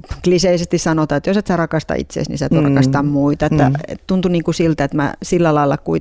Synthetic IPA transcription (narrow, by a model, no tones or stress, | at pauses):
kliseisest̪issɑnot̪ɑːet̪joset̪særɑkɑst̪ɑ̰ḭt̪sḛsnḭsæt̪urɑkɑst̪ɑmmuit̪ɑet̪ːæ̰ḛtt̪unt̪uniːŋkusilt̪æet̪mæ̰silːælɑilːˑɑ̰kui